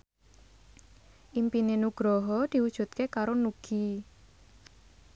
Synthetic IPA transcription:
ʔimpinenuɡ̥ɾɔɦɔd̪̥i̤wud̥ʒ̥ṳt̪̚kekaɾonuɡ̥i

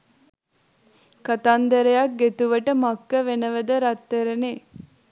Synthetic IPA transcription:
kɐt̪and̪ɐɾejɐk̚ɡet̪uʋəʈəmakːəʋenəʋəd̪əɾɐt̪ːeɾene

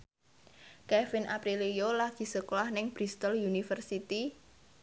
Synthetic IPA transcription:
kɛfɪnʔapɾilijolaɡ̥i̤səkolahnɪŋb̥ɾist̪ɔljunifərsit̪i

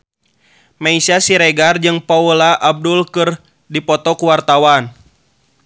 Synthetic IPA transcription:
maisasiɾɛɡard͡ʒɨŋpaulaʔab̚dulkɨr | dipɔt̪ɔkuwart̪awan

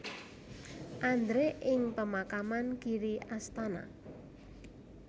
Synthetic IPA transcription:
ʔand̪ɾeʔɪŋpəmakamankiɾiʔast̪ana̰

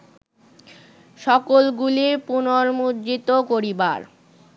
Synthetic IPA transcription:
ʃɔkolɡuliɾpunoɾmudd͡ʑit̪okoɾiba̰ɾ

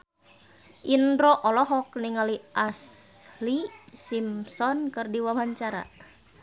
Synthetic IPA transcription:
ʔindɾɔʔɔlɔɦɔkniŋaliʔaslisimsɔnkɨrdiwamaɲt͡ʃaɾa̰

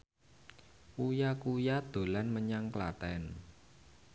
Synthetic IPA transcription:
ujakujad̪̥o̤lanməɲaŋklat̪ɛn

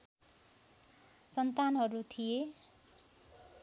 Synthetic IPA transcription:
sʌnt̪anɦʌɾut̪ʰije

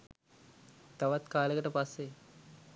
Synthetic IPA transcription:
t̪aʋat̪kaːləkəʈəpasːe

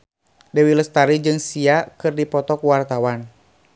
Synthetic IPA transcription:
dɛwiləst̪aɾid͡ʒɨŋsiakɨrdipɔt̪ɔkuwart̪awan

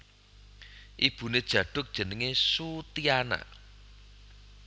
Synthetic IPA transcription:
ʔib̥ṳned̥ʒ̥ä̤ɖ̥ʊ̤k̚d̥ʒ̥ə̤nəŋesut̪iana̰ʔ

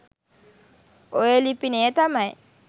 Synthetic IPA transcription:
ojelipinet̪amaj

